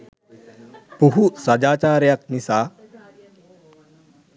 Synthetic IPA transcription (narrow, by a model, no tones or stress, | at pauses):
puɦusɐd͡ʒaːt͡ʃaːɾjɐk̚nisaː